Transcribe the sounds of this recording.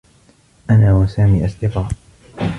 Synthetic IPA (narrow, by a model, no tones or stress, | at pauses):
ʔanaːwasaːmiːʔast̪ɪqɑːʔ